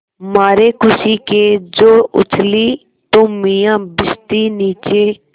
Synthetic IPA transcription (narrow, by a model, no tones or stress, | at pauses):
maːɾeːkʊsiked͡ʒoːʊ̰t͡ʃʰliː | t̪oːmĩːjãːbɪst̪iːniːt͡ʃeː